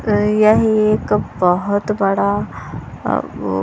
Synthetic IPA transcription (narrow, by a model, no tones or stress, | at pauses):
jaɦiekbəɦut̪bəɽa